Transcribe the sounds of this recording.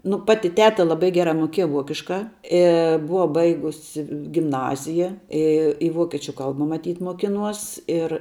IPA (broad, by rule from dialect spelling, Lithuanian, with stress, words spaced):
nʊ ˈpɑːtʲɪ ˈtʲæːtɐ lˠɐˈbɐɪ ˈɡʲæːrɐ ˈmʊkʲiɛjɛ ˈʋuɔkʲɪʃkɐ ˈɪ ˈbʊʋɐ ˈbɐɪɡʊsʲɪ ɡʲɪmˈnɑːzʲɪjɛ ˈɪ ɪ ˈʋuɔkʲɛt͡ʃʲʊ ˈkɐlˠbɐ mɐˈtʲiːtʲ muɔˈkʲɪnuɔs ɪr